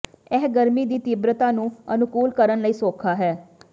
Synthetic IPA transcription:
ɛːɡəɾmiːd̪iːt̪ibɾət̪ãːnũːənʊkuːlkəɾənləiːsoːkʰaːɦɛː

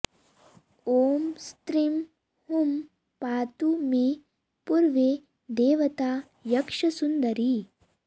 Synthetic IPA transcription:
oːmst̪ɾim | hum | paːt̪umẽ | puɾʋe | d̪eːʋɐt̪aː | jɐkʂɐsund̪ɐɾi

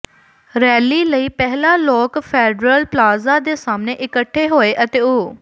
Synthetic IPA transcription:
ɾɛːliːləiːpɛɦlaːlɔːkpʰɛːɖɾəlplaːzãːd̪eːsaːmneːʔɪkəʈʰːeːɦoːeːʔət̪eːoː

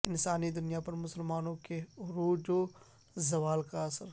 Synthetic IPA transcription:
ɪnsaːnid̪ʊnijapɐɾmʊsəlmaːnõkeɾuːd͡ʒo | zɐʋaːlkaɐsəɾ

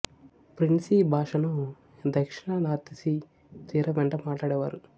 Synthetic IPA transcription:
pɾinsibʱaːʂɐnu | d̪ʱɐkʂiɳɐnaːɾt̪isi | t̪iːɾɐʋɛɳʈɐmaːʈlaːɽɛːʋaːɾu

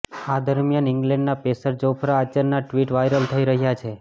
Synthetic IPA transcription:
ad̪əɾmjanɪŋɡlɛ̃ɳɖnapesəɾd͡ʒopʰɾaːt͡ʃənnaʈʋiʈʋajɾəlt̪ʰəiɾəɦjat͡ʃʰe

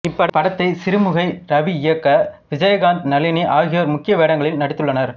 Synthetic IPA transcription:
ɪpːɐɽpɐɽɐt̪ːɐɪsɪɾɯmɯɣɐɪɾɐʋiɪjɐkːɐʋɪd͡ʒɐjɐɣaːnt̪nɐlɪniʔaːɣɪjɐːɾmʊkːɪjɐʋeːɽɐŋɡɐɭɪlnɐɽɪt̪ːɯɭːɐnɐɾ

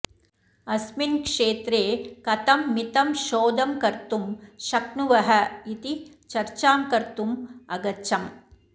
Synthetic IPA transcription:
ɐsminkʂeːt̪ɾeːkɐt̪ɐmːit̪ɐmʃoːd̪ʱɐmkɐɾt̪umʃɐknuʋɐɦɐit̪i | t͡ʃɐɾt͡ʃaːmkɐɾt̪umɐɡɐtːʃɐm

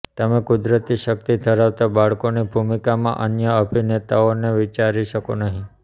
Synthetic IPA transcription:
t̪əmẽkud̪ɾət̪iʃək̚t̪id̪ʱəɾaʋt̪abaɭkonibʱumikamã̰ʔənjəəbʱinet̪aoneʋit͡ʃaɾiʃəkonəɦĩ

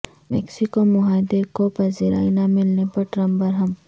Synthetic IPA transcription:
mɛ̰ksikomʊɦaːd̪ekopɐziɾa̰ːinamɪlnepɐɾʈɾɐmbɐɾɦɐm

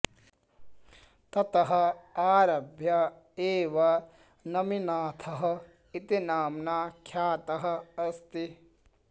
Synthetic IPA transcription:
t̪ɐt̪ɐɦɐ̆aːɾɐbʱjɐ | eːʋɐ | nɐminaːt̪ʰɐɦɐ̆ | it̪inaːmnaːkʰjaːt̪ɐɦɐ̆ɐst̪i

